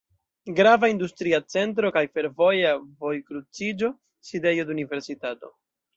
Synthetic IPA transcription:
ɡɾavaindustɾiat͡se̞nt̬ɾo̞kajfe̞ɾvo̞javo̞jkɾut͡sid͡ʒo̞ | side̞jo̞dunive̞ɾsitato̞

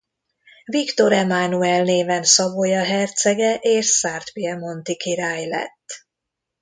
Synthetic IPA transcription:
vikt̪o̞ɾɛmanuɛlneːvɛnsɒbojɒɦɛrt̪sɛɡɛʔeːʃsaːrt̪piɛmo̞nt̪ikiɾaːjlɛ̰t̪ː

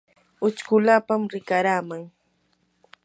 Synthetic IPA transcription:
ʊt͡ʃkʊlapamɾɪkaɾaːmaŋ

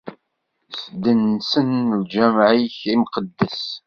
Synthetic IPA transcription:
sd̪ənsənld͡ʒæmʕiçimqəd̪ːəs

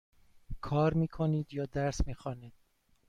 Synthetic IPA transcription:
kʰɒːɾmiːkʰoniːd̪jɒːd̪æɾsmiːxɒːniːd̪̥

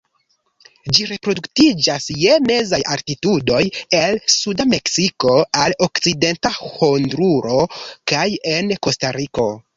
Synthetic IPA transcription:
d͡ʒiɾe̞pɾo̞duktid͡ʒasje̞me̞zajaɾtitudo̞je̞lsudame̞ksiko̞alo̞kt͡side̞ntahondɾuɾo̞kaje̞nko̞staɾiko̞

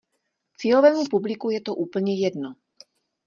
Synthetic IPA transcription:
t͡siːlovɛːmupublɪkujɛt̪oʔuːpl̩ɲɛjɛdno

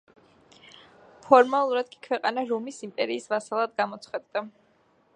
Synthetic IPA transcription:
pʰɔɾmalˠuɾad̪̥kʼi̥kʰwɛqʼanaɾumisimpʼɛɾiːsvasalˠad̪ɡamɔt̪sʰχwad̪d̪a

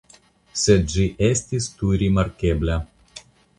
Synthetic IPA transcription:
sʲɛʒɨʔɛsʲt̪ʲist̪uːɾʲimɐɾʲkʲeːbʲlʲæ

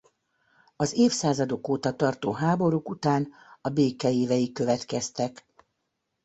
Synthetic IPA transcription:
ɒzeːfsaːzɒd̪o̞koːt̪ɒt̪ɒrt̪oːɦaːbo̞ɾukut̪aːn | ɒbeːkɛeːvɛjikːøvɛt̪kɛst̪ɛk

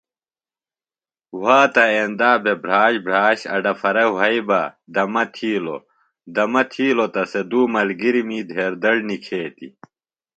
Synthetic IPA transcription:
waːt̪ɐeːnd̪aːbebɾaːɕbɾaːɕɐ̰ɖɐfɐɾɐwɐibad̪ɐmɐt̪ʰiːlo̰ | d̪ɐmɐt̪ʰiːlot̪ɐsed̪uːmɐlɡiɾimiːd̪ʱeːɾd̪ɐɽnikʰeːt̪ḭ

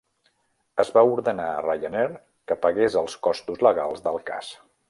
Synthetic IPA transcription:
əzβauɾðənaə̰rajənɛɾ | kəpəɣezəlˠskɔst̪uzləɣalˠzðəlˠka̰s

